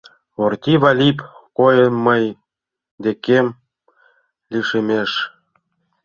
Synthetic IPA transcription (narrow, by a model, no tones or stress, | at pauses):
ort̪ʲiβɑlʲipkojəməj | d̪ekem | liʃemeʃ